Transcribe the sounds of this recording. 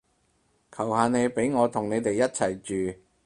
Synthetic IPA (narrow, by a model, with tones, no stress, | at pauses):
kʰɐ˨˩whaː˨˧nhe˨˧jpe˨˥jŋɔː˨˧t̪ʰʊ˨˩ŋne˨˧jt̪e˨jːɐ˥t̚t͡sʰɐ˨˩jt͡ʃyː˨